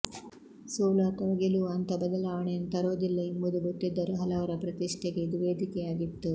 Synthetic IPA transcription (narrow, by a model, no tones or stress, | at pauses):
soːlaːt̪ɐɽɐɡeluɐnt̪ɐbɐd̪ɐlaːʋɐɳejɐnːt̪ɐɾoːd̪ilːɐimbud̪uɡot̪ːid̪ːɐɾuɦɐlɐʋɐɾɐpɾɐt̪iʂʈʰeɡe̞d̪ʋeːd̪ʱikɛjaːɡit̪ːu